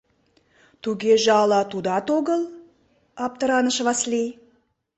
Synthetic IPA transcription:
t̪ʰuɡʲeʒɑlˠɑt̪ud̪ɑt̪oɡəlˠ | ɑp̚t̪əɾɑnəʃvɑslʲij

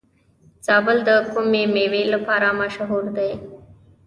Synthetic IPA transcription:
t͡saːbəld̪əkʊmẽːmeːʋeːləpʰaːɾaːmaʃəɦuːɾd̪eː

